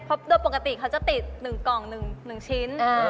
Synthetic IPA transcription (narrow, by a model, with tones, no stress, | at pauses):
pʰo˦˥p̚du˧jpo˨˩ka˧t̪i˨˩kʰa˦˥wt͡ɕa˨˩t̪i˨˩t̪̚nɯ˨˩ŋkɔː˨˩ŋnɯ˨˩ŋnɯ˨˩ŋt͡ɕʰi˦˥naː˧